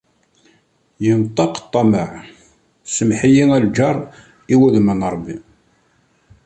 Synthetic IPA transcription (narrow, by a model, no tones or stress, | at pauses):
jənt̪ˤːɑqt̪ˤːɑməʕ | səmħijiŋæld͡ʒɑɾˤ | iwæðmənɾˤbːi